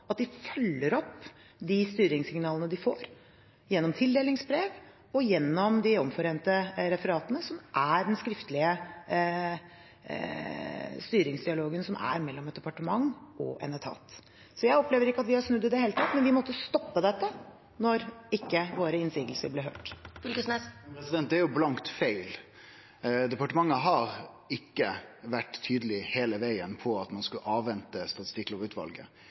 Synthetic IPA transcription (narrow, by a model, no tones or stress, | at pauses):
ɑt̪̚d̪ɪfœlːəɾɔpː | d̪ɪst̪yːɾɪŋsɪŋnɑːlənəd̪ɪfoːɾ | jɛnːɔmt̪ʰɪld̪eːlɪŋsbɾeːʋ | ɔjɛnːɔmd̪ɪɔmfɔɾeːnt̪əɾɛfəɾɑːt̪ənəsɔmʔæɖɛnskɾɪft̪əlɪə | st̪yːɾɪŋsd̪ɪɑloːɡənsɔmʔæ̰ɾmɛlːɔmɛt̪̚d̪ɛpɑʈəmɑŋɔ̰ʔɛ̰nɛt̪ʰɑ̰ːt̪ | sɔjæɪɔpleːʋəɾɪkːəɑt̪ʋɪhɑɾsnʉd̪ːɪd̪ɛheːlət̪ʰɑt̪ːmɛnʋɪmɔt̪ːəst̪ɔpːəd̪ɛt̪ːə | nɔɾɪkːəʋoːɾəɪnsiːɡəlsə̰ɾblɛːɦø̰ːʈfʏlkəsnɛspɾɛsɪd̪ɛnt̪d̪ɛæɾjʊblɑŋt̪fæɪl | d̪ɛpɑʈəmɑŋːəɦɑɾ | ɪkːəʋæʈt̪ʰyːd̪əlɪheːləʋæɪənpʰɔɑt̪mɑnskʉʔɑːʋːɛnt̪əst̪ɑt̪ɪst̪ɪkːlɔbʉːt̪ʋɑ̰lɡə̰